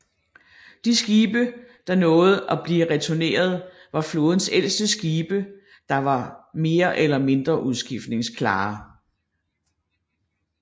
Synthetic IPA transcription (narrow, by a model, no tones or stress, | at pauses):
d̥isɡ̥iːb̥əd̥ɑ̈nɔ̽ːð̞̩ˠʔɒb̥liʁɛt͡sʰone̝̰ːɐð̞ˠʋɑ̈flɔːð̞ˠn̩sel̰sd̥əsɡ̥iːb̥ə | d̥ɑ̈ʋɑ̈me̝ːɐʔelɐme̝nd̥ʁɐʔuðˠsɡ̥ifd̥ne̝ŋskʰlɑ̰̈ː